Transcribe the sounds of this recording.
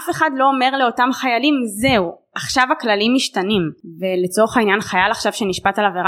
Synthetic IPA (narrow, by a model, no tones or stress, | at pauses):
afe̞χadlo̞ome̞ʁleo̞tamχajalimze̞u | aχʃavaklalimːiʃtanimve̞let͡so̞ʁeχainjanχajalaχʃav̥ʃeniʃpatalaveʁa